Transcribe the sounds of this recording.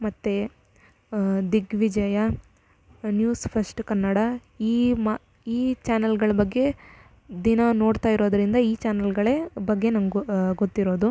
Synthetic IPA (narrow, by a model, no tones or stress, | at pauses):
mɐt̪ːe | d̪iɡʋid͡ʒɐjɐ | njuːspʰɐsʈkɐnːɐɽɐ | iːma | iːt͡ʃaːnɐlɡɐɭɐbɐɡːe̞ | d̪inɐno̞ːɽt̪aːjiɾo̞ːd̪ɐɾind̪ɐiːt͡ʃaːnɐlɡɐɭebɐɡːe̞nɐmɡɡɡot̪ːiɾo̞ːd̪u